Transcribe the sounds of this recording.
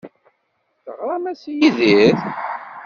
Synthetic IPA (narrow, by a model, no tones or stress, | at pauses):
θʁamæsjiðiθ